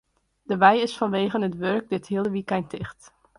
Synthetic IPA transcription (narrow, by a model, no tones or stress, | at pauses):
d̥əʋɛjɪsfɑnʋeːχənətʋøɹk̚dɪtɦiəlˠəʋikɛjntʰɪχt